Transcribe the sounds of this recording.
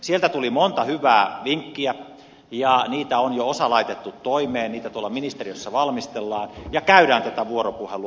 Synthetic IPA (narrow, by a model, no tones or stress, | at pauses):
sielt̪æt̪ulimont̪ɑhyʋˑæːʋiŋkːiæ | jɑniːt̪æonjoosɑlɑit̪et̪ːut̪toimeːnniːt̪æt̪uolːˑɑminist̪eriøsːɑʋɑlmist̪elːɑːnjɑkæyɾæːnt̪æt̪æʋuoropuhelu